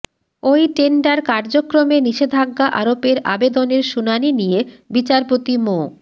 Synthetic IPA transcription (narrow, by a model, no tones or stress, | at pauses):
ojʈeɳɖaɾkaɾd͡ʑokɾomeniʃed̪ʱaɡːaʔa̰ɾopeɾa̰bed̪oneɾʃunaninijebit͡ɕaɾpot̪imo